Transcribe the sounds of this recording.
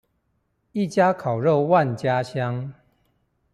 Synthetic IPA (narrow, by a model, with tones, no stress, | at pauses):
i˥˨t͡ɕja˦kʰa˨˩ʊɻo˥˧wa˥˨nt͡ɕja˦ɕja˦ŋ